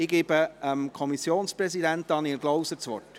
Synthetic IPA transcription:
ɪɡ̥ɪːbəəmkʰɔmisjoːnsprɛzidænt̪ɑːniɾɡlowsət͡sʋɔ̰rt

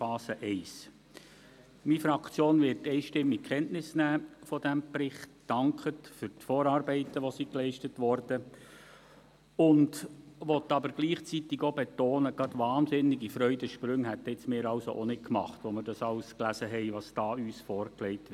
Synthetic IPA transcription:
fɑːsəʔɛɪs | mifɾɑkt͡sjoːnʋɪɾtːɛɪʃtɪmːikχɛntnɪsnæːfɔd̥æmpɾɪχtd̥ɑŋkχətfʏɾtfɔːɾɑɾbɛɪtəʋɔsiklɛɪʃtətʋɔɾd̥ə | ʊndʋɔt̪ːɑbəɾɡ̥liːχt͡sit̪ɪɡobet̪oːnəɡɑdʋɑːnsɪnːɪɡifɾœʏdəʃpɾɵŋɦæt̪ːɪt͡smɪːɾɑʊso̰ʔonɪt̚kmɑ̰χt̪ʋomɪɾdɑsɑʊsklæsəɦɛɪʋɑsd̥ɑːyːsfɔːɾklɛɪtɪ

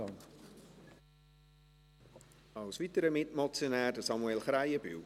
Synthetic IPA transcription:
ɑn | ɑwsvitəɾəmɪtmɔt͡sjonæːɾdəsɑmuɛlχɾaɪəby̰w

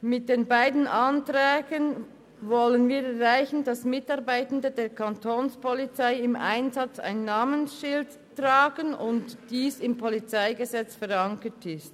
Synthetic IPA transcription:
mɪt̚d̥eːnbaɪdn̩ʔantʁɛːɡən | vɔlənviːɾɛɾʁaɪçn̩d̥ɑsmɪtɑʁbaɪtn̩dədeːɾkʰɑntʰoːnspɔlit͡saɪɪma̰ɪnzɑt͡sa̰ɪnːaːmənsʃɪld | tʁaːɡ̥ənʊntd̥iːsɪmpʰolit͡saɪɡəzɛt͡sfɛɾɑŋkətʰɪst

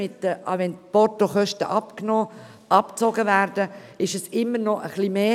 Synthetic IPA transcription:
ɪt̪ːəɑʋɛnpɔtoχœʃtəʔɑpknoː | ɑpt͡soɡəvæːɾd̥əɪʃəsɪmːəɾnɔʔəχlimeː

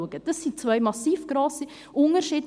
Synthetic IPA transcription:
uəɡ̥əd̥ɑsːit͡svœjmɑsiːfɡ̥ɾoːsi | ʔʊnəɾʃiːd

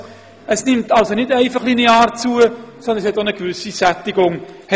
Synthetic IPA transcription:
əsnɪmtɑlsonɪdɛɪfɑχlineaːɾt͡suəsɔnd̪ənshɛtonəɡvʏsisætːiɡʊŋhɛ

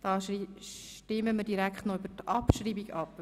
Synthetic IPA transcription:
d̥ɑːʃtɪməmədiɾækχtnoybətʔɑpʃɾiːbiɡɑp

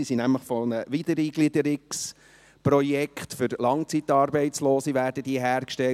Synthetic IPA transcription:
isinæmləχfɔnəʋidəɾiːɡ̥lidəɾɪks | prɔjɛkχt̪fʏɾlɑŋt͡sit̪ɑːɾbɛɪtt͡sloːsiʋæːɾdəd̥̪iːɦæːɾkʃtɛ

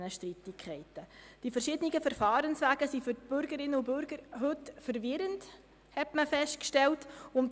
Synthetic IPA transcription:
nəʃtritɪkʰχɛɪtəd̥ifərʃɪdəniɡəfəɾfɑːɾənsʋæːɡ̥əsifʏt̚b̥ʏɾɡəɾɪnːəʊbʏɾɡəɾɦɵtfəɾvɪɾənt | hɛtməfɛʃt̚kʃtɛltʊmt

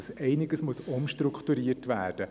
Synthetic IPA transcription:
sʔɛɪnɪɡəsmʊsʊmʃtrʊkχtuɾiətvæːrd̥ə

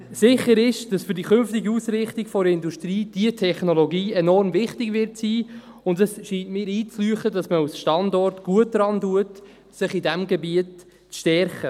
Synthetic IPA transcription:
sɪχəɾɪʃd̥ɑsfʏɾdikʏnftiɡiusɾɪχtɪɡ̥fɔɾɪnduʃtriːd̥iətʰɛχnolɔɡiːɛnɔrmvɪχtɪɡvɪɾtsiː | ʊntəsʃiːntmɪːɾiːt͡slyːχədɑsməasʃtɑndɔrtɡ̥uət̚dɾɑnduət | sɪχidɛmɡɛbiət | t͡sʃtɛɾχə

